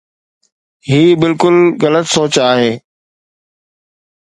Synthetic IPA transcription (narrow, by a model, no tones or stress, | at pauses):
ɦiːbɪlkʊlɣɐlət̪soːt͡ɕaːɦeː